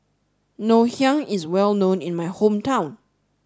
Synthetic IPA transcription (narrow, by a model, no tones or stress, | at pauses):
nohjãŋɪzwɛlˠnõnɪ̃nmajhõmtʰãʊ̃n